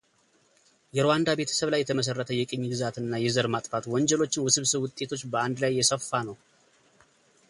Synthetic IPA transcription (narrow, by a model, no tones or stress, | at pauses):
jɛɾowand̪abe̞t̪ʰə̥səβlajːɛt̪ʰəməs̬ərːət̪ʰəjɛkʼɨɲːɡɨzat̪ɨnːajɛzəɾmat̪ʼfat̪wɔɲd͡ʒɛlo̞t͡ʃːɪnwʊsɨβsɨβwʊt̪ʼːe̞t̪ʰo̞t͡ʃːbəand̪lajːɛsəfːanəw